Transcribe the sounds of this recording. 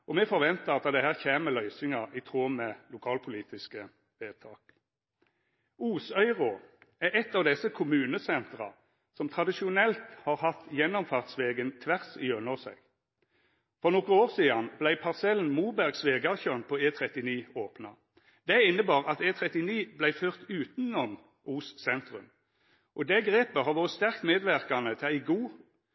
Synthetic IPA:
ʔɔmɛfɔʁʋɛnt̪əʁɑt̪̚d̪ɑd̪ɛhæːʁçeːməlœʏsɪŋɑʔit̪ʰʁoːmɛlʊkʰɑːlpʰʊliːt̪ɪskə | ʋeːt̪ʰɑːk | uːsœʏʁɔæʁɛt̪ːɑːʋd̪ɛsəkʰʊmʉːnəsɛnt̪ʁɑ̰ | sɔmt̪ʰʁɑd̪ɪʃɪʊnɛlt̪hɑːʁhɑt̪jɛnːɔmfɑːʁt̪sʋeːɡənt̪ʰʋæʁsiøːnɔʁsɛ̰ɡ̥ | fɔʁnɔkːəoːʁsiːɑnblæɪpʰɑʁsɛln̩muːbæʁɡsʋeːɡɑçøːnpʰɔeːt̪ʰʁɛt̪ɪniːoːpnɑ̰ | d̪̥ɛɪnːəbɑːʁɑt̪eːt̪ʰʁɛt̪ɪniːblæɪføːʁt̪ʉːt̪n̩ɔm | ʔuːssɛnt̪ʁʉ̰m | ʔɔd̪ɛɡʁeːpəɦɑʁʋoːʁət̪st̪æʁkt̪meːd̪ʋæʁkɑnət̪ʰɪlæɪɡuː

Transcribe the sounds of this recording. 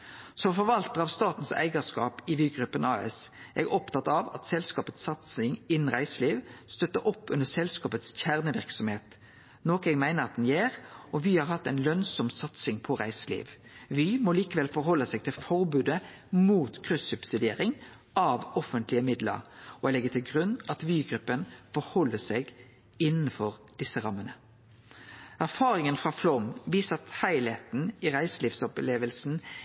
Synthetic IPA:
sɔmfɔɾʋɑlt̪əʁɑʋst̪ɑːt̪n̩sæ̰ɪɡəskɑ̰ːpɪʋyːɡʁʉpːənɑːɛ̰sʔɛɡɔpt̪ʰɑt̪ːɑʋɑ̰t̪sɛlskɑːpət̪sːɑt̪sɪŋɪnn̩ʁæɪsəliːʋst̪œt̪ːəɾɔpːʉnd̪əsɛlskɑːpət̪sçæʁnəʋɪʁksɔmheːt̪ | noːkəɛɡmæɪnəɾɑt̪n̩jeːʁɔʋiːhɑɾhɑt̪ːæɪnlœnsɔmsɑt̪sɪŋpʰɔʁæɪsəlḭːʋ | ʋiːmɔliːkəʋɛlfɔɾhɔlːəsɛɡ̚t̪ʰɪlfɔɾbʉːd̪ə | muːt̪kʰʁʉsʉbsɪd̪eːɾɪŋ | ʔɑʋɔfənt̪lɪəmɪd̪lə̰ɾɔlɛɡːət̪ʰɪlɡʁʉnːɑt̪ʋyːɡɾʉpːənfɔɾhɔlːəsɛɡ | ɪnːn̩fɔʁd̪̥ɪsːəɾɑmːənə | æʁfɑːɾɪŋənfʁɑːflɔmʋiːsəʁɑt̪hæɪlet̪n̩ɪʁæɪsliːʋsɔpleːʋəlsn̩

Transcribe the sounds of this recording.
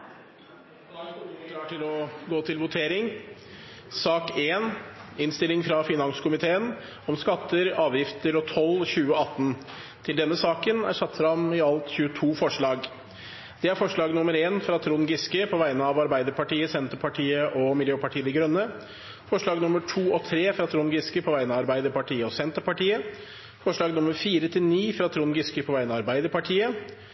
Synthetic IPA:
klɑːʈʰɪlɔɡoːt̪ʰɪlʋʊt̪ʰeːɾɪŋ | sɑːkeːnɪnst̪ɪlɪŋfɾɑfɪnɑnskʊmɪt̪ʰeːən | ɔmskɑt̪ːəɾɑːʋjɪft̪əɾɔt̪ʰɔlːçʉːəɑt̪ːn | t̪ʰɪld̪ɛnːəsɑːkənæ̰ɾʂɑt̪ːfɾɑmɪɑlt̪çʉːət̪ʰuːfɔʂɭɑːɡ | d̪̥ɛæɾfɔʂɭɑːɡnʊməɾeːnfɾɑt̪ʰɾuːnɡɪskəpʰɔʋæɪənəɑʋɑɾbæɪd̪əɾpɑʈiːəsɛnt̪əɾpʰɑʈʰiːəʔɔmɪljøːpɑʈʰiːəd̪əɡɾœnːə | fɔʂɭɑːɡnʊməʈʰuːɔt̪ʰɾeːfɾɑt̪ʰɾuːnɡɪskəpʰɔʋæɪənəɑɾbæɪd̪əɾpɑʈʰiːəɔsɛnt̪əɾpɑʈiːə | fɔʂɭɑːɡnʊmːəɾfiːɾət̪ʰɪlniːfɾɑt̪ʰɾuːnɡɪskəpʰɔʋæɪnəɑɾbæɪd̪əɾpɑʈʰiːə

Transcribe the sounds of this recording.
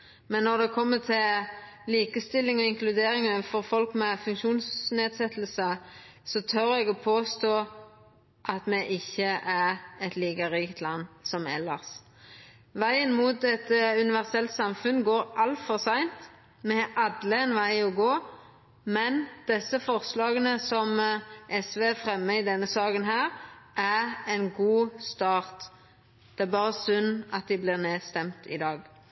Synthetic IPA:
mɛnːɔʁd̪ɛkʰɔmːət̪ʰɪlliːkəst̪ɪlːɪŋɔɪŋklʉd̪eːɾɪŋəfɔʁfɔlkmɛfʉŋkʃuːnsneːd̪sɛt̪əl̩sə | sɔt̪ʰœɾɛɡɔpʰoːst̪oː | ʔɑt̪mɛʔɪçːəʔæʁɛt̪liːkəʁiːkət̪ʰlɑnːsɔmɛ̰lːɑʁs | ʋæɪənmuːt̪̚d̪ɛt̪ːəʉnɪʋæʁsɛlt̪sɑmfʉnɡoːɾʔɑlt̪fɔʁsæɪnt̪ | mɛhɑʔɑd̪lɪɛnʋæɪɔɡoː | mɛnd̪̥ɛsəfɔʁslɑːɡənəsɔmʔɛsʋeːfʁɛmːəɪd̪ɛnːəsɑːkənɦæːʁʔæʁɛɪnɡuːst̪ɑːʁt̪ | d̪̥ɛæbɑːʁəsʉnɑt̪̚d̪ɪblɪːʁneːst̪ɛmt̪ʰɪ̰d̪ɑːɡ

